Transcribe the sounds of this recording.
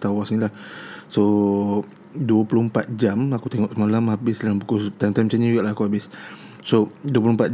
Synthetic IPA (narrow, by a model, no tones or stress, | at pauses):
t̪awasnilahso | duəpulumpat̪̚d͡ʒamakut̪eŋɔʔsəmalamɦabɪsdalambukust̪ajmt̪ajmt͡ʃaɲad͡ʒuɡaʔlaɦakuɦabɪs | soduəp̬lumpat̪̚